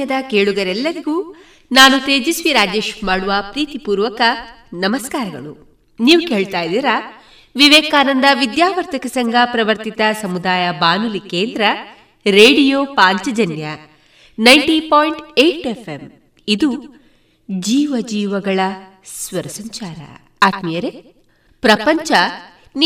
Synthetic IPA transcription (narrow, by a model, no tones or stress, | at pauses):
ɐd̪ɐkeːɭuɡɐɾɛlːɐɾiɡuː | naːnut̪eːd͡ʒisʋiɾaːd͡ʒe̞ːʃmaːɽuʋɐpɾiːt̪ipuːɾʋɐkɐnɐmɐskaːɾɐɡɐ̰ɭu | niːʋuke̞ːɭt̪aːjd̪iːɾa | ʋiʋɛːkaːnɐnd̪ɐʋid̪jaːʋɐɾt̪ʰɐkɐsɐŋɡʱɐpɾɐʋɐɾt̪it̪ɐsɐmud̪aːjɐbaːnulikeːnd̪ɾɐ | ɾeːɽijoːpaːɲt͡ʃɐd͡ʒɐnjɐ | nɐjɳʈipoːjɳʈeʈepʰem | id̪u | d͡ʒiːʋɐd͡ʒiːʋɐɡɐɭɐ | sʋɐɾɐsɐɲt͡ʃaːɾɐ̰ | aːt̪mijɐɾe | pɾɐpɐɲt͡ʃɐ | n